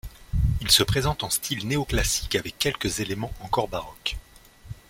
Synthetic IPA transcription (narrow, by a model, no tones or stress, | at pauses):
ilsəpχezɑ̃t̪ɑ̃st̪ʰilneɔklasi̥kavɛkʲːɛlkəzelemɑ̃ɑ̃kɔʁbaʁɔk